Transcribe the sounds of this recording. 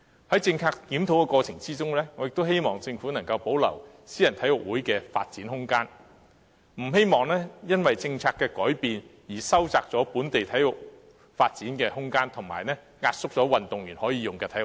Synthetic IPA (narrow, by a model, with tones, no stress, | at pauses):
hɐ˨˥jt͡sɪ˧ŋt͡sʰaː˧k̚t̪iː˨˥mt̪ʰo˨˧˥wkɛ˧kɔː˧t͡sʰɪ˨˩ŋt͡siː˥t͡sʊ˥ŋlɛː˥ŋɔ˨˧jɪ˨k̚t̪o˥whe˥jmɔː˨˩ŋt͡sɪ˧ŋfu˨˥nɐ˨˩ŋkɐ˧wpo˨˥wlɐ̰˨˩w | siː˥jɐ˨˩nt̪ʰɐ˨˥jwʊ˨k̚wuː˨˥jkɛː˧fa̰ː˧t̚t͡siː˨˥nhʊ˥ŋkaː˥n | m̩˨˩he˥jmɔː˨˩ŋlɛː˥jɐ˥nwɐ˨jt͡sɪ˧ŋt͡sʰaː˧kːɛː˧kɔː˨˥jpiː˨njiː˨˩sɐ˥wt͡saː˧k̚t͡sɔː˨˥puː˨˥nt̪e˨jt̪ʰɐ˨˥jwʊ˨˩k̚ | faː˧t̚t͡siː˨˥nkɛː˧hʊ˥ŋkaː˥nt̪ʰʊ˨˩ŋmaː˨jnɛː˥ | ŋaː˧t̚sʊ˥k̚t͡sɔː˨˥wɐ˨nt̪ʊ˨ŋjyː˨˩nhɔː˨˥jiː˨˧jʊ˨ŋkɛː˧t̪ʰɐ˨˥j